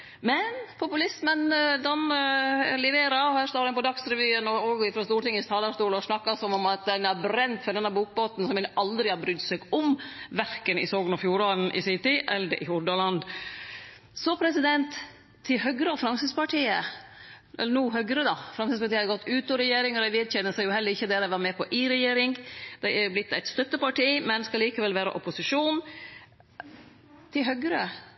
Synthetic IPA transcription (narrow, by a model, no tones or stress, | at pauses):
mɛnpʰʊpʉlɪsmənd̪ɑnəlɪʋeːɾɑɔhæːst̪oːɾɛnpɔd̪ɑksɾɛʋyːənɔɔɡɪfɾɔst̪uːɾʈɪŋːəst̪ʰɑːlɑʂt̪uːlɔsnɑkːɑsɔmɔmɑt̪̚d̪ɛnæɾbɾɛnt̪fɔɖ̪ɛnːæbuːk̚boːt̪n̩sɔmʋɪnʔɑld̪ɾɪhɑːbɾʏd̪sɛɡɔmʋæɾkənɪ̰soːɡənɔfjuːɾɑln̩ʔɪ̰sɪt̪ɪʔɛlːəɾʔɪ̰hʊɖ̪ɑlɑnd̪ | sɔpʰɾɛsɪd̪ɛnt̪ʰː | ɪlɦœɡɾəɔfɾɑmsɪspɑʈʰiːə | ʔɛ̰lːənuːɦœɡɾəd̪ɑfɾɑmsɪspɑʈiːhɑɾɡɔt̪ːʉːt̪ɔɾɛjeːɾɪŋɔd̪æɪʋɪːd̪çɛnːəsæjʊhɛlːəɾɪçːəd̪ɛːd̪æʋɑɾmɛːpʰɔʔɪɾɛjeːɾɪŋd̪̥ɛæɾjblɪt̪ːæɪt̪st̪œt̪ːəpɑʈiːmɛnskɑliːkəʋɛlʋæːɾə̰ʔɔpʊsɪʂuːn | t̪ʰɪlɦœɡɾə